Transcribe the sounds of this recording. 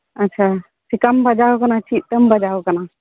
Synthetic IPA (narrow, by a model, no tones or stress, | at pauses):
ətːt͡ʃʰa | sikambʱəd͡ʒawkɐnat͡ʃʰit̪̚ʈ̪əmbʱəd͡ʒawkɐna